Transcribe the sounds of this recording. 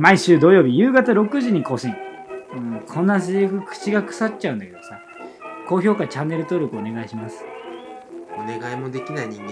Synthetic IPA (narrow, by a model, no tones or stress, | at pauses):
maiɕɨːd̪o̞jo̞ːbʲijɯːɡat̪aɾo̞kɯ̟ʑiɲ̟iko̞ːɕĩŋɯkʰõ̞nːas̬eokɯ̟kʰɯ̟̥t͡ɕiɡakɯ̟̥satt͡ɕaɯ̟̃nd̪ake̞d̪osa | ko̞ːço̞ːkat͡ɕãnːe̞ɾɯ̟t̪oɾʲjokɯone̞ɡaiɕimasɨ̥ | one̞ɡaimo̞d̪e̞kʲinaiɲ̟ĩŋɡe